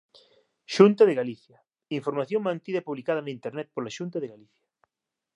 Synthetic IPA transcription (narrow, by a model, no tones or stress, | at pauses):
ʃunt̪ɐðeɣaliθjɐ | iɱfoɾmaθjoŋmãnt̪iðɐpuβlikað̞ɐnaĩnt̪eɾnɛt̪̚polaʃunt̪ɐðeɣaliθjɐ̥